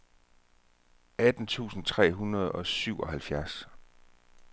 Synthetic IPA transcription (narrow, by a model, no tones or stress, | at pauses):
æd̥n̩t͡sʰṵːsn̩t͡sʰʁɛ̰ːɦunɐð̞̩ˠɒ̽syʊɒ̽ɦælfjæɐs